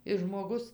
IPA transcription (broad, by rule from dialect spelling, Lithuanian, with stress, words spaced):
ɪ ʒmoːˈɡʊs